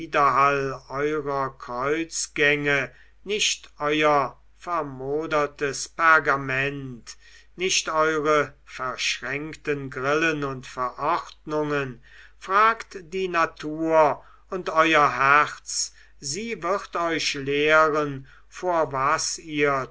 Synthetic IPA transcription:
dɐɦalɔʏʁɐkʁ̥ɔʏt͡sɡ̥ɛŋə | nɪʃtʔɔʏɐ | fɛɐmoːdɐtəspaɐɡamɛnt | nɪʃtɔʏʁəfɛɐʃʁɛŋktənɡʁɪlənʊntfɛɐʔɔχtnʊŋən | fʁ̥aːktd̥iːnatʰuːɐ | ʊntʔɔʏɐɦæʁt͡s | ziːvɪʁtɔʏʃleːʁən | foːɐvasiːɐ

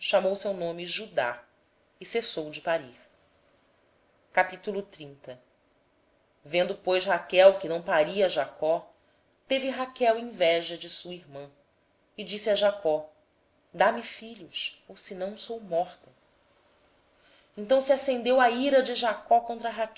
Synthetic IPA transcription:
ʃamowsewnõmɪʒud̪a̰ | ɪsesowd͡ʒɪpaɾix | kapit̪ulʊt̪ɾĩnt̪ɐ | vẽnd̪ʊpojʃɦakɛwkɪnɐ̃w̃paɾiɐʒakɔ | t̪evɪɦakɛwĩvɛʒɐd͡ʒɪsuiɾmɐ̃ | ɪd͡ʒisiɐʒakɔ | d̪amifiʎusowsɪnɐ̃w̃sowmɔχt̪ɐ | ẽnt̪ɐ̃w̃siasẽnd̪ewɐiɾɐd͡ʒɪʒakɔkõnt̪̬ɾɐɦakɛ

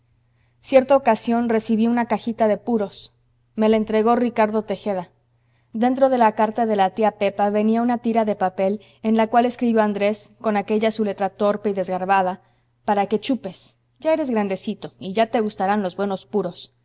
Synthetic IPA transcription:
sje̞ɾt̪aokasjo̞nre̞siβiunakaxit̪aðe̞puɾo̞s | me̞laent̪ɾe̞ɣo̞rikaɾðo̞t̪e̞xeða | d̪e̞nt̪ɾo̞ð̞e̞lakaɾt̪aðe̞lat̪iape̞paβe̞niaunat̪iɾaðe̞pape̞l | enlakwaleskɾiβjo̞and̪ɾe̞sko̞nake̞ʝasule̞t̪ɾat̪o̞ɾpeiðe̞zɣaɾβaða | paɾake̞t͡ʃupe̞s | ʝae̞ɾe̞zɣɾand̪e̞sit̪o̞iʝat̪e̞ɣust̪aɾanlo̞zβwe̞no̞spuɾo̞s

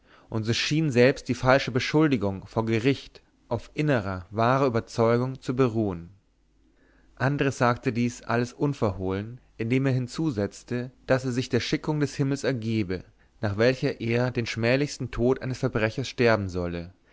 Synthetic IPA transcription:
ʔʊntz̥oːʃiːnzɛlpst̚d̥iːfalʃəbəʃʊldɪɡʊŋfoːɐɡəʁɪçt | ʔaʊfʔɪnəʁɐvaːʁəyːbɐt͡sɔʏɡʊŋt͡subəʁuːən | ʔandəʁəsz̥aːktədiːsʔa̰ləsʔʊnfɛɐhoːlənʔɪndeːmeːɐɦɪnt͡suːzɛt͡stəd̥aseːɐzɪçd̥eːɐʃɪkʊŋdɛshɪml̩sɛɐɡeːbə | naːχv̥ɛlçɐʔeːɐdeːnʃmɛːlɪçstn̩tʰoːtʔa̰ɪnəsfɛɐbʁɛçɐsʃtɛɐbm̩zɔlə

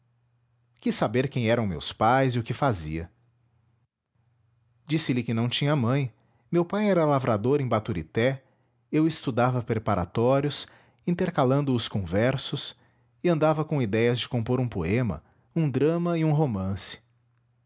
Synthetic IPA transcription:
kisabeɾkẽj̃ɛɾɐ̃w̃mḛwspajzɪʊkɪfazḭɐ̰ | d͡ʒisɪlɪkɪnɐ̃w̃t͡ʃĩɲɐmɐ̃j̃ | mewpajɛɾɐlavɾʔad̪oɾẽj̃bat̪uɾḭt̪ɛ | ewɪst̪ud̪avɐpɾepaɾa̰t̪ɔɾjʊs | ĩt̪eɾkalɐ̃nd̪ʊːskõvɛɾsʊs | ɪɐ̃nd̪avɐkõid̪ɛjɐzd͡ʒɪkõmpoɾũpoẽmɐ̰ | ũd̪ɾɐ̃mɐɪũɦomɐ̃sɪ̥

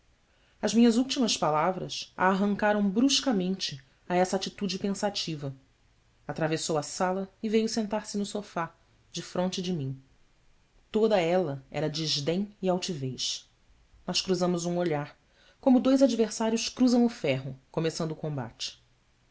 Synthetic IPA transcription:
ɐzmĩɲɐzuwt͡ʃimɐspalavɾɐ̰sa̰ːɦɐ̃ŋkaɾɐ̃w̃bɾuʃkɐmẽnt͡ʃɪ | aɛsɐːt͡ʃit̪ud͡ʒɪpẽsat͡ʃivɐ | at̪ɾavesowɐsalɐɪvejʊsẽnt̪aɾsɪnʊsofa | d͡ʒɪfɾõnt͡ʃɪd͡ʒɪmĩɲ | t̪od̪ɐɛlɐɛ̰ɾɐd͡ʒiʒd̪ẽj̃iawt͡ʃivejʃ | nɔʃkɾuzɐ̃mʊzũoʎaɾ | kõmʊd̪ojzad͡ʒiveɾsaɾjʊʃkɾuzɐ̃w̃ʊfɛɦʊkomesɐ̃nd̪ʊkõba̰t͡ʃɪ̥

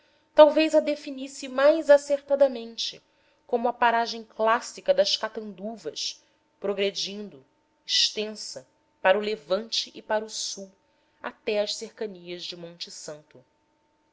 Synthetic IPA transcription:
t̪awvejzɐd̪efinisɪmajzaseɾt̪ad̪ɐmẽnt͡ʃɪ̰ | kõmʊɐpaɾaʒẽj̃klasikɐd̪ɐʃkat̪ɐ̃nd̪uvɐʃ | pɾoɡɾed͡ʒĩnd̪ʊ | iʃt̪ẽsɐ | paɾɐʊlevɐ̃nt͡ʃɪʔːpaɾusuw | a̰t̪ɛɐʃseɾkɐniɐzd͡ʒɪmõnt͡ʃɪsɐ̃nt̪ʊ

